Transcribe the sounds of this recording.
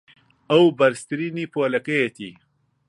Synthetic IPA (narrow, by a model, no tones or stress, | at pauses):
ɐwbɐɾst̪ɾiːnipoːlɐkɐjet̪ʰḭ